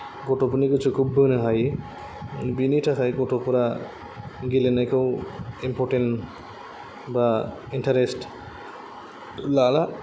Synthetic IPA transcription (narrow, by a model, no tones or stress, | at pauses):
ɡɔʈopunikit͡ʃʰukʰubːɯnɯɦaj | biniʈʰakʰajɡɔʈopɔɾa | ɡilenakewimpʰɔʈen | ba | inʈaɾesʈ | lala